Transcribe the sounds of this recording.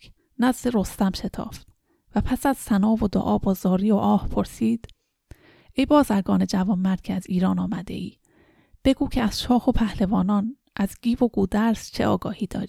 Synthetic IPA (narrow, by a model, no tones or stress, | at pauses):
næzd̪e̞ɾost̪æmʃe̞t̪ʰɒ̰ːft̪ | væpʰæsæz̥sænɒːvod̪o̰ʔɒːbɒːzɒːɾiːoʔɒːhpʰo̞ɾsiːd̪̥ | ʔejbɒːzæɾɡɒːne̞d͡ʒævɒːnmæɾd̪̥̚cʰeæziːɾɒːnɒːmæd̪ḛʔiː | b̥e̞ɡuːcʰeæz̥ʃɒːhopʰæhlevɒːnɒːn | ʔæzɡiːvo̞ɡuːd̪æɾst͡ʃʰḛɒːɡɒ̰ːhiːd̪ɒ̰ːɾi